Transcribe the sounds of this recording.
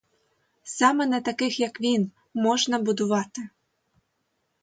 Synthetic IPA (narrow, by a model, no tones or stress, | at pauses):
sɑmɛnɐt̪ɐkɪxjɐkʋʲin | mɔʒnɐbʊd̪ʊʋɑt̪ɪ